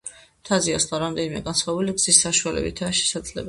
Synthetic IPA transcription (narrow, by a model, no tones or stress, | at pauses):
t̪ʰaziaslˠaɾamd̪ɛnimɛɡansχwabuliɡz̥isːaʃualɛ̰bit̪ʰaːʃɛ̥sad̪zlɛ̰b